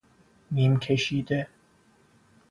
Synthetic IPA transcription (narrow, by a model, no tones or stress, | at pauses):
niːmkʲʰeʃiːd̪e